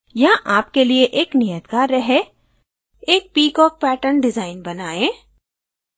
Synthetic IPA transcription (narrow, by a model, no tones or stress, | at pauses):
jaʔaːpkelieʔeːknijət̪kaːɾːɛɦe | eːk̚piːkɔːk̚pɛːʈəɾnɖɪzaːɪnbɐnaːẽː